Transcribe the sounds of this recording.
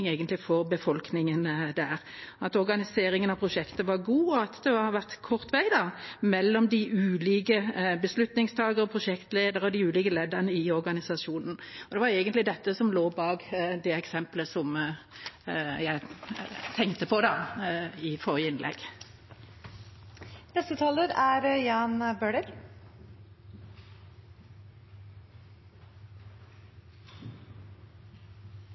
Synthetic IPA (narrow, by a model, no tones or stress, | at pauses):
ŋæɪɡənt̪lɪfɔʁbəfɔlknɪŋənd̪æːʁɑt̪ɔʁɡɑnɪseːɾɪŋənɑpʰʁʊʂɛkt̪əʋɑʁɡuːɔɑt̪d̪ɛɑɑʋæʁt̪kʰɔʁt̪ʋæɪd̪ɑmɛlːɔmd̪ɪʉːliːkəbəslʉt̪nɪŋst̪ʰɑːɡəɾɔpʰʁʊʃɛkt̪leːd̪əʁəɔd̪ɪʉːliːkəleːd̪əʁnəɪɔʁɡɑnɪsɑʃuːnn̩ɔd̪ɛʋɑɾɛɪɡənt̪lɪd̪ɛt̪ːəsɔmloːbɑːɡd̪ɛɛksɛmpləsɔm | jæɪt̪ʰɛŋkt̪əpʰɔd̪ɑ | ɪfɔʁjəɪnlʔɛ̰ɡ | nɛst̪ət̪ʰɑːləɾæɾjɑːnbøːɖəɾ